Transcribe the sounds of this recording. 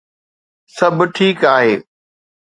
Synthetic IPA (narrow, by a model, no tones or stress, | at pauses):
sɐbʈʰiːkaːɦeː